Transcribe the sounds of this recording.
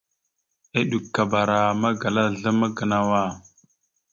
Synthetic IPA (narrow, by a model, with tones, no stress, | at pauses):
e˦ɗu˨kːa˨ba˨ɾa˨ma˦ɡa˨la˦ɮə˦ma˦ɡə˨na˦wa˦˨